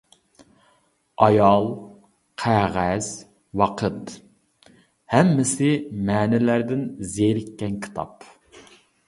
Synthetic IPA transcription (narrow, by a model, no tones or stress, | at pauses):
ɑjɑlˠ | qʰæʁæz̥ | wɑqʰət̪ | hɛmːɪsɪmɛːnɪlæɾd̪ɪnzeɾɪkʲːɛnkʲʰi̥t̪ʰɑ̰p